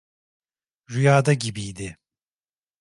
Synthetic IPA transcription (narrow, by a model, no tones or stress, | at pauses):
ɾyjaːd̪aɟibijd̪ɪ